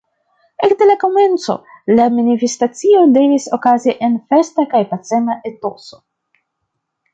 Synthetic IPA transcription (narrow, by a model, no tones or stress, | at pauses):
ekdelako̞me̞nt͡so̞̰laminifestat͡sio̞de̞viso̞̰kaziʔenfe̞stakajpase̞maʔe̞to̞so̞